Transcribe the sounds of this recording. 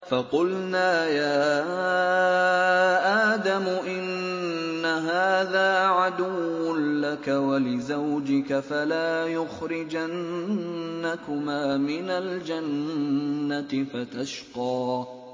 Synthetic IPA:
fɑqʊlnaːjaː | ʔaːd̪amʊʔɪnː | aɦaːðaːʕad̪ʊwːʊnlakawalɪzawd͡ʒɪkafalaːjʊxɾɪd͡ʒanː | akʊmaːmɪnald͡ʒanː | at̪ɪfat̪aʃqɑː

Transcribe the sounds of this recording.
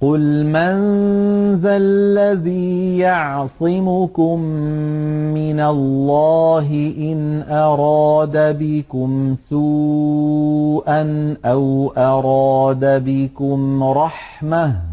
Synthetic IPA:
qʊlmanðalːaðiːjɑʕsˤɪmʊkʊmː | ɪnalːɑːɦɪʔɪnʔɑɾˤɑːd̪abɪkʊmsuː | ʔanʔawʔɑɾˤɑːd̪abɪkʊmɾˤɑħmah

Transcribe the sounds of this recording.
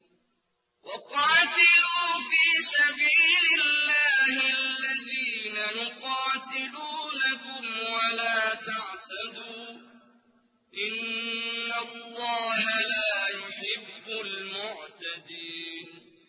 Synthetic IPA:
wɑqɑːt̪ɪluːfiːsabiːlɪlːaːhɪaalːaðiːnajʊqɑːt̪ɪluːnakʊmwalaːt̪aʕt̪ad̪uː | ʔɪnː | alːɑːɦalaːjʊħɪbːʊlmʊʕt̪ad̪iːn

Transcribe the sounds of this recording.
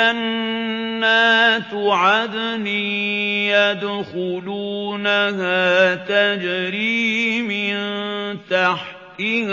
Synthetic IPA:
anː | aːt̪ʊʕad̪niːjad̪xʊluːnahaːt̪ad͡ʒɾiːmɪnt̪aħt̪ɪ

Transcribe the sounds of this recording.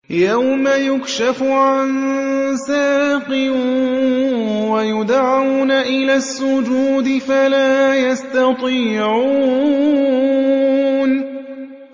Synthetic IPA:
jawmajʊkʃafʊʕansaːqɪ | wajʊd̪ʕawnaʔɪlaːsːʊd͡ʒuːd̪ɪfalaːjast̪ɑt̪ˤiːʕuuː | n

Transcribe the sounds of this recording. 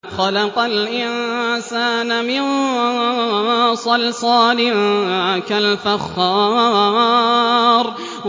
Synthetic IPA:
xɑlɑqɑlʔɪnsaːnamɪn | sˤɑlsˤɑːlɪnʕakalfaxːɑː | ɾˤ

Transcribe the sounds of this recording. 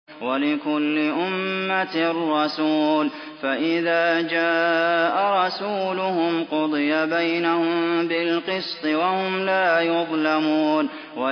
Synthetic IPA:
walɪkʊlːɪʔʊmːat̪rːɑsuːl | faʔɪðaːd͡ʒaːʔaɾˤɑsuːlʊhʊmqʊd̪ˤɨjabajnahʊmmbɪlqɨst̪ˤɨwahʊmlaːjʊðˤlamuːn | wa

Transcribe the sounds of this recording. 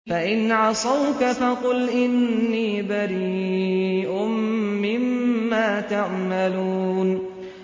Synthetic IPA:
faʔɪnʕɑsˤɑwkafɑqʊlʔɪnːiːbaɾiː | ʔʊmːɪmːaːt̪aʕmaluːn

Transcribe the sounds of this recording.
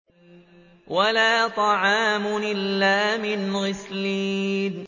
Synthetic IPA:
walaːt̪ˤɑʕɑːmʊʔɪlːaːmɪnɣɪsliːn

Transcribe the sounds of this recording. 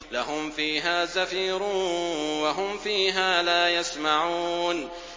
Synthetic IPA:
laɦʊmfiːɦaːzafiːɾuːnwaɦʊmfiːɦaːlaːjasmaʕuːn

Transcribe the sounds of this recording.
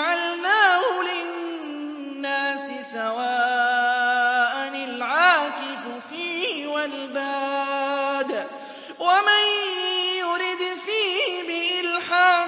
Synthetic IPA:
ʕalnaːhʊlɪnː | aːsɪsawaː | ʔanɪlʕaːkɪffiːwalbaː | d̪ | wamanjʊɾɪd̪fiːhbɪʔɪlħaː

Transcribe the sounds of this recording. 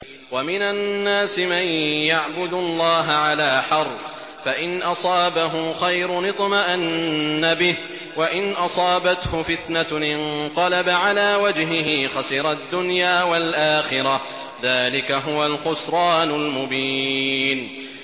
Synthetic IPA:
wamɪnannːaːsɪmanjaʕbʊd̪ʊlˤːɑːɦaʕalaːħɑɾˤf | faʔɪnʔɑsˤɑːbaɦʊxajɾʊnɨt̪ˤmaʔanːabɪh | waʔɪnʔɑsˤɑːbat̪hʊfɪt̪naʔɪnqɑlabaʕalaːwad͡ʒɦɪɦɪxasɪɾˤɑd̪ːʊnjaːwalʔaːxɪɾɑ | ðaːlɪkaɦʊwalxʊsɾˤɑːnʊlmʊbiːn

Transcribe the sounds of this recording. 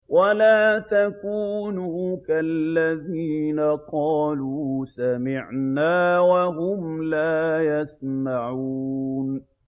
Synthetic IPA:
walaːt̪akuːnuːkalːaðiːnaqɑːluːsamɪʕnaːwaɦʊmlaːjasmaʕun

